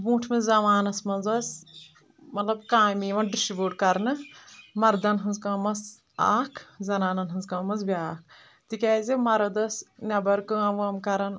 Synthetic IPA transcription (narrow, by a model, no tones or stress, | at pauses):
bũːʈʰmezɐʋaːnɐsmɐnzɐsʲ | mɐt̪lɐbkaːmiːʋɐnɖisiboːʈkɐɾnɨmɐɾd̪ɐnɦɨnzkɐːmɐs | a̰ːkʰzɐnaːnɐnɦɨnzkɐmɐnzbiaːk̚ʰ | t̪ikʲɛːzimɐɾɐd̪ɐsnʲɐbɐɾkɨːɐʋɐmkɐɾɐn